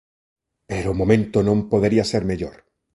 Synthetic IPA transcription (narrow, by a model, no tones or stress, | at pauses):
peɾoːmomẽnt̪ʊnõmpoðeɾiaseɾmeʎoɾ